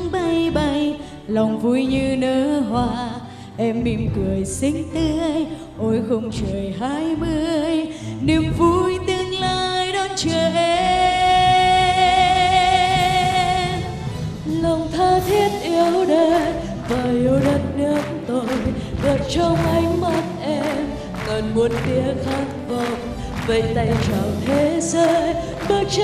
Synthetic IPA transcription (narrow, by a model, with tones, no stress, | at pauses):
ŋɓa˧jɓa˧j | lɔ˨˩wŋ͡mvu˧jɲɨ˧nəː˨˦ɦwaː˧ | ʔɛ˧mːi˧mkɨ˨˩əjsï˧˥ŋ̟t̪ɨ˧j | ʔo˨˦jxə˧wŋ͡mt͡ɕə˨˩jɦaː˧˥jmɨ˧əjni˨˧˩mvu˧˥jt̪ɨ˧əŋlaː˧jɗɔ˧˦nt͡ɕəː˨jʔɛ˧ | lə˨˩wŋ͡mt̪ʰaː˧t̪ʰi˦˥ət̚ʔi˧əwɗə˧ | vaː˨˩ʔi˨˧˦wɗə˨˧˩t̚ɗə˨˦nt̪o˧jɣə˨˩p̚t͡ɕɔ˧ŋ͡mʔa˨˧jŋ̟ma˦t̚ʔɛ˧m | ŋə˨˩nmo˨˩t̚t̪i˧˦əxa˨˦ŋvə˨˧˨wŋ͡m | ve˨˩t̪a˧˩jt͡ɕɔ˨˩wt̪ʰe˨˦zəː˧˦ | ɓə˦t̚t͡ɕ